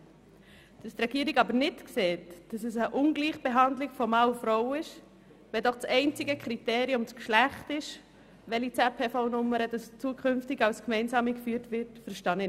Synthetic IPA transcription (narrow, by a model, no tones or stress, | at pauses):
d̥ɑstrɛɡiəɾiɡɑbəɾnɪtkseːtd̥ɑsəsəʔʊnɡliːχb̥eɦɑndlɪɡfɔmɑʊfɾɔʊɪʃ | ʋɛdɔχt͡sɛɪnt͡sɪɡəkχɾiteːɾiʊmskʃlæχtɪʃ | ʋɛlit͡sɛpʰeːfoʊnʊmːəɾədɑst͡suəkʰʏnftɪɡɑwskmɛɪnsɑːmikfyːəɾtʋɪɾtfəɾʃtɑnə